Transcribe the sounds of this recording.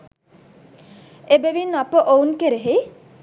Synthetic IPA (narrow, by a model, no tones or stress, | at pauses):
ebeʋinapəʔounkeɾeɦe